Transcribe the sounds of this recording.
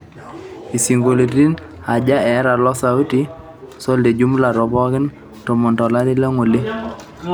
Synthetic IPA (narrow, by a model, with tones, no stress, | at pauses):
i˨si˨ŋɡo˨le˨ɾi˦n | a˨d͡ʒa˦ɛ˨˦ɾa˨lɔ˦sa˨u˦ti˦ | sɔ˦le˨d͡ʒu˦mla˨ɾɔ˨bɔ˦kɪ˦n | to˨mɔ˨ntɔ˨la˦ɾi˦lɛ˦ŋo˨le˦